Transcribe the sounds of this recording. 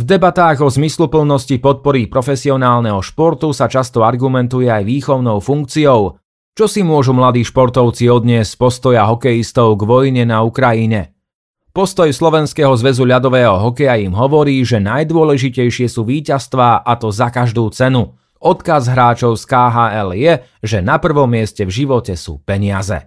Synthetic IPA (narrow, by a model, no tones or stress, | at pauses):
vd̪ɛbat̪aːɣɔzmislupl̩nɔscipɔt̪̚pɔɾipɾɔfɛsiɔnaːlnɛɦɔʃpɔɾt̪usat͡ʃast̪ɔaɾɡumɛnt̪ujɛajʋiːxɔʊnɔʊfuŋk̚t͡siɔʊ | t͡ʃɔsimʊɔʒumlad̪iːʃpɔɾt̪ɔʊt͡siɔd̪ɲɪɛscpɔst̪ɔjaɦɔkɛjist̪ɔʊɡʋɔjɲɛnaukɾajiɲɛ | pɔst̪ɔjslɔʋɛnskɛːɦɔzʋɛzuʎad̪ɔʋɛːɦɔɦɔkɛjaimɦɔʋɔɾiːʒɛnajd̪ʊɔlɛʒicɛjʃɪɛsuːʋiːcast̪ʋaːʔat̪ɔzakaʒd̪uːt͡sɛnu | ɔt̪kazɦɾaːt͡ʃɔʊskaːɦaːɛljɛ | ʒɛnapr̩ʋɔmːɪɛscɛvʒiʋɔcɛsṵːpɛɲɪazɛ̰